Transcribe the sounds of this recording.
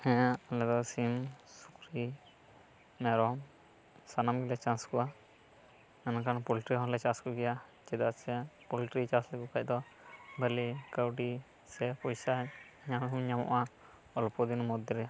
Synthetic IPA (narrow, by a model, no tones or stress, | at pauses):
ɛ̃aʔlɛd̪ɔsimsu̥kɾi | mɛɾɔm | sanamɡɛlɛt͡ʃãskɔa | ɛnakanpulʈɾiɦɔ̃lɛt͡ʃaskɔɡɛjat͡ʃɛd̪at͡ʃɛpulʈɾit͡ʃaslɛkukac̚ˀd̪ɔ | bəlikawʈi | sɛpɔjsa | ɲamimɲamɔ̰ʔa | ɔlpɔd̪inmɔd̪jɔɾɛa